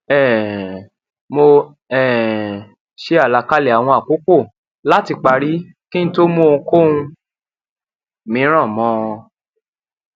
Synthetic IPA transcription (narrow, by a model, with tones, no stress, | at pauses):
ɛ˦˨ | mo˧ | ɛ˨ | ʃe˦a˦˨la˨˧ka˦le˨a˨w̃ɔ̃˧a˨ko˦ko˦˨ | la˦ti˧k͡pa˨˧ɾi˦ | kĩ˦ñ̩˦to˦mõ˦˨˧ko˦ũ˧ | mĩ˨˦ɾ̃ɔ̃˦˨mɔ̃˧